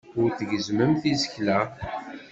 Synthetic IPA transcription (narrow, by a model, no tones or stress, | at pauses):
ʊɾθəʝəzməmθizəçlæ